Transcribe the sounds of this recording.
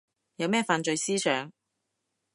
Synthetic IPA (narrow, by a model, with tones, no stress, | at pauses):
jɐ˨˧wmɛː˥˩faː˧nt͡ʃɵ˧jsiː˥sœː˨˥ŋ